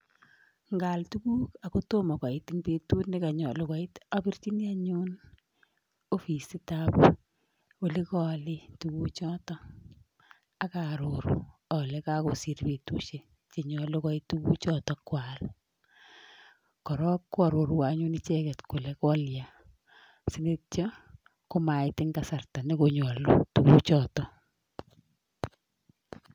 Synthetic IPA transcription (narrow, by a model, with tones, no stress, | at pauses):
ŋɡa˨ltu˦ku˦ka˨ko˦to˦ma˨kʷa˨iti˦ŋpetu˦tnɪ˦ka˨ɲɔ˨lo˦kwa˦i˦ta˦pi˦rt͡ʃi˦ni˦a˦ɲu˦n | o˦fi˨si˦tap | o˨li˦kɔ˦lɪ˦tu˨ku˦t͡ʃɔ˦tɔ˦ | a˦kaɾo˨ɾṵ˨ɔ˨le˦ka˦ko˨si˨ɾpe˨tṵ˦ʃe˦ | t͡ʃe˨ɲɔ˨lo˦kɔ˦itu˦ku˦t͡ʃɔtɔ˦kwal | kɔ˨ɾɔ˦kːa˨ɾo˨ɾu˨wa˨ɲu˦ni˦t͡ʃɛ˦kɛ˨tko˨le˨kɔ˦lja˨ | si˦ne˦tt͡ʃɔ | ko˦ma˨jtɪ˦ŋɡa˨sa˨rta˨ne˦koɲɔ˨lo̰˦tu˨ku˦t͡ʃɔ˨tɔ˦